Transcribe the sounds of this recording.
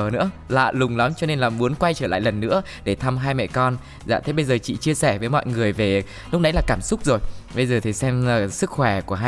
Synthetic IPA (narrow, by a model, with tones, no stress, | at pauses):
nɨ̰˧˥əla̰ː˧˨lʊ˨˩ŋ͡mla˨˦mt͡ɕɔ˧ne˧nlaː˨˩mu˨˦ənkwa˧jt͡ɕəː˧˩la̰ː˧˨jlə˨˩nːɨ̰˧˥ə | ɗe˧˩t̪ʰa˧mɦaː˧jmɛ̰˧˨kɔ˧n | za̰ː˧˨˩t̪ʰe˨˦ɓə˧jzəː˨˩t͡ɕḭ˧˨t͡ɕi˧əsɛ˧˩vəː˨˦jmɔ̰˧˨jŋɨ˨˩əjve˨˩ | lʊ˦˥k͡p̚ʔa˨˦jlaː˨˩kaː˧˩msʊ˦˥k͡p̚zo˨˩jɓə˧jzəː˨˩t̪ʰi˨˩sɛ˧mə˨˩sɨ˦˥k̚xwɛ˧˩ku˧˩əɦ